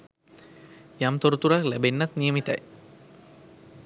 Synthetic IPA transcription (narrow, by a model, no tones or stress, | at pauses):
jamt̪oɾut̪uɾaklæbenːat̪nijəmit̪aj